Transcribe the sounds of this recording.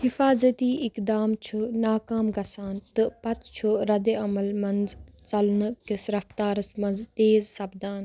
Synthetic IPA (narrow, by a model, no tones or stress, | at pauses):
hifaːzɐt̪iːʔɪkd̪aːmt͡ʃʰunaːkaːmɡɐsaːnt̪ɨpɐt̪t͡ʃʰuɾɐd̪eɐmɐlmɐnz | t͡sɐlnɨkisɾɐft̪aːɾɐsmɐnzt̪eːzsɐbd̪aːn